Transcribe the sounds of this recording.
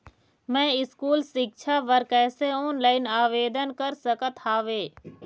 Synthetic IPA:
mɛ̃ːɪskuːlsɪk̚ʃʰaʋəɾkɛːseoːnlaːɪnaːʋeːd̪ənkəɾsəkət̪haːʋeː

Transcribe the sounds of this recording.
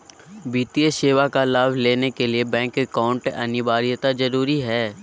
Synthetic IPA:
biːt̪iəʃeːʋakalaːʋleːnekeliebɛ̃ːŋkekaːʊ̃ɳʈɐ̰nɪʋaːɾɪjt̪azɐɾuːɾiɦɛː

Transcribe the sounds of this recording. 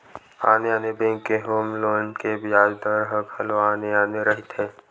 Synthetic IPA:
aːneaːnebẽːŋkːeɦoːmloːnkebɪjaːd͡ʒd̪əɾɦəkʰəloaːneaːneɾəɦɪt̪ɦɛː

